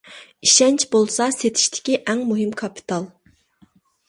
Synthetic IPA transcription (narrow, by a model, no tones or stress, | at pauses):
iʃɛnt͡ʃʰbolˠsɑset̪ʰi̥ʃt̪ʰɪ̥kʲiʔɛŋmuɦɨmkʰɑpʰi̥t̪ʰɑlˠ